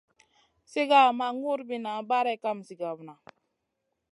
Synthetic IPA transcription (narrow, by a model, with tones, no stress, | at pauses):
si˦ɡa˦˨ma˨ŋu˦ɾbi˦na˨˦ba˦ɾɛ˦˨ka˦m˨si˨ɡa˨bna˨